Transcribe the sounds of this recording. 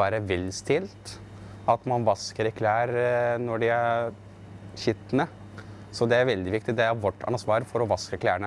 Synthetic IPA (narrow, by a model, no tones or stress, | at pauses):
æːɾəʋɛlst̪ʰɪlt̪ | ɑt̪mɑnʋɑskəɾɛkʰlæːɾnɔɖɪæɾ | çʏt̪ːnə | sɔd̪ɛæɾʋɛld̪ɪʋɪk̚t̪ɪd̪ɛæɾʋɔʈːɑ̰nsʋɑːɾfɔɾɔʋɑskəkʰlæːəɳə